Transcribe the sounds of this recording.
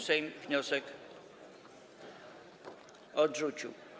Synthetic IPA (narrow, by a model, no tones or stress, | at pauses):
sɛjmvɲɔsɛk | ɔdʐut͡ɕṵ